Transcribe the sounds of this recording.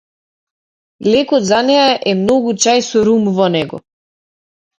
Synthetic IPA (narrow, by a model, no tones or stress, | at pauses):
lɛkɔt̪zanɛaʔɛmnɔɡut͡ʃajsɔɾumvɔnɛɡɔ̰